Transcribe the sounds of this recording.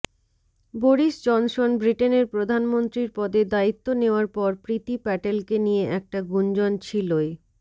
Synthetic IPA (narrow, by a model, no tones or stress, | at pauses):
boɾiʃd͡ʑɔnʃonbɾiʈeneɾpɾod̪ʱanmont̪ɾiɾpɔd̪ed̪ait̪ːoneoaɾpɔɾpɾit̪ipɛʈelkenijeʔɛk̚ʈaɡund͡ʑɔnt͡ɕʰiloj